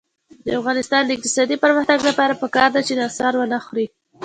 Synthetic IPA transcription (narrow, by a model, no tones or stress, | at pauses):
d̪̥əafɣɑnɪst̪ɑnd̪əɪk̚t̪ɪ̥sɑd̪ipəɾməxt̪aɡlapɑɾapəkɑɾd̪at͡ʃenɑsɑɾwənaxɾi